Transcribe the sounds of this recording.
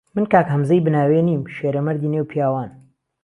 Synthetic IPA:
mɨnkaːkhɐmzɐjbɨnaːweːniːmʃeːɾɐmɐɾd̪iːnewpʰijaːwaːn

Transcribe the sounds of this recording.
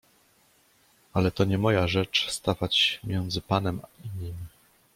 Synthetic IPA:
alɛt̪ɔɲɛmɔjaʐɛt͡ʂst̪avat͡ɕmʲjɛnd̪zɘpanɛmaiɲimʲ

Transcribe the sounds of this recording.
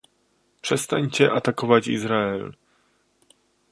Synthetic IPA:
pʂɛst̪aɲt͡ɕɛʔat̪akɔvat͡ɕḭzɾaɛl

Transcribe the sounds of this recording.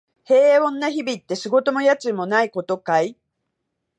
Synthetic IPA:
he̞ːõ̞nːaçibʲit̪ːe̞ɕiɡo̞t̪o̞mo̞jat͡sɨmo̞naiko̞t̪o̞kai

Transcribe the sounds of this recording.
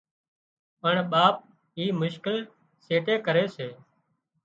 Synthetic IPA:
pəɳɓaːp̚ | ɦiːmʊʃkɪl | seːʈeːkəɾeːseː

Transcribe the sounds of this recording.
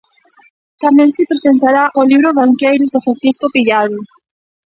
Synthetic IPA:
t̪amɛ̃ŋsɪpɾesent̪aɾaʔoliβɾoβaŋkejɾʊzðofanθiskopiʎaði

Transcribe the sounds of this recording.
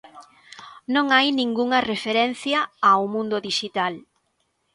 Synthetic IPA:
nõŋajnĩŋɡuŋɐrefeɾɛn̟θjɐawmũnd̪ʊðiʃit̪al

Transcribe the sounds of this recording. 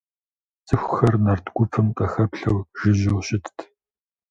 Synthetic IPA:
t͡sʼɨxʷxɐrnɐrtʰɡʷʊpʰɨmqʼɐxɐpɬɐwʒ̥ɪʑɪwɕɪtʰtʰ

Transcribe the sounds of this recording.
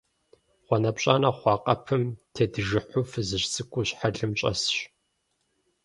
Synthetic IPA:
χʷɔnɐpɕʼaːnɐχʷɑːqʼɐpʰɨmtʰeːdɨʒɨħʷʊfɨzɨɕt͡sʼɨkʷʼʊɕħaɮɨmɕʼɐ̰sɕ

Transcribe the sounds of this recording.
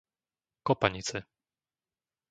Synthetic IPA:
kɔpaɲit͡sɛ

